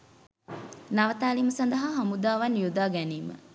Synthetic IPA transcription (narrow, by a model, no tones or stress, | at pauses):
naʋət̪aːliməsɐnd̪ɐɦaɦamud̪aːʋɐnjud̪aːɡæniːmə̰